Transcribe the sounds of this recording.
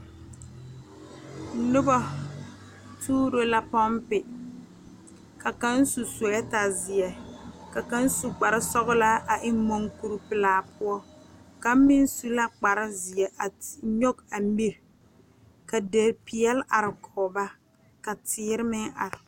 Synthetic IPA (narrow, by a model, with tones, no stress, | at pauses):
nʊ˦bɔ˦ | tʰuː˦ɾo˨la˦pɔ˦mpɪ˨ | ka˨ka˦n˦su˨sɛ˦ta˨zɪ˨ɛ˨ka˨ka˦n˦su˨k͡pa˨ɾɪ˦sɔ˦ɣʊ˦la˦a˨ʔɪ˦mo˦ŋku˨ɾpɪ˨laː˨pʊ˦ɔ˦ka˦m˦mɪ˦n˦su˦la˦k͡pa˨ɾɪ˦zɪ˨ɛ˨ʔa˨ɲo˦ka˨mi˦ɾ | ka˨de˨pi˨ɛ˦lʔa˨ɾɪ˨kʰɔː˨ba˦ | ka˨tɪː˦ɾɪ˦mɪ˦ŋa̰˨ɾɪ˨